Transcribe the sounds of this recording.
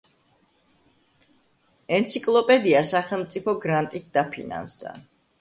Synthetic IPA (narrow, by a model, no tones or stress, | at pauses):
ɛnt̪sʰikʼlˠɔpʼɛd̪iasaχɛlˠmt̪sʼipʰɔɡɾant̪ʼit̪̚d̪apʰḭna̰nsd̪a̰